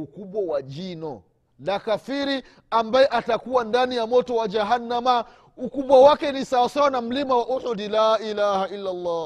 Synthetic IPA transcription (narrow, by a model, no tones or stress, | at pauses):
ukuɓwawad͡ʒinɔ | lakafiɾi | ambajɛʔatakuwandanijamɔtɔwad͡ʒaɦanːama | ukuɓwawakɛnisawasawanam̩limawaʔuhudilaːʔilahaʔilːalːaː